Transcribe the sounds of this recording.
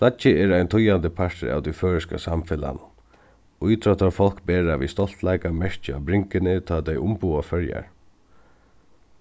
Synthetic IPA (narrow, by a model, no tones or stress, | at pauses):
flat͡ʃɪɛːɹajnt̪ʰʊjand̪ɪpʰaʂt̪ɪ̰ɾa̰ːwt̪ijføːɹɪska̰samfɪla̰n | ʊjt̪ɾɔt̪aɾfɔl̥kbɛːɹaʋḭst̪ɔl̥t̪lajkamɛɹt͡ʃɪa̰bɾɪŋkɪnɪt̪ʰɑːt̪ɛjʔʊmpuːafœɹja̰ɹ